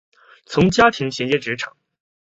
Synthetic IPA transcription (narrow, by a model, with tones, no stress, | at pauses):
t͡sʰʊ˧˥ŋt͡ɕja˥t̪ʰi˧˥ŋɕjɛ˧˥ŋt͡ɕjɛ˥˩ʈ͡ʂɻ̩˧˥ʈ͡ʂʰɑ̰˨˩˦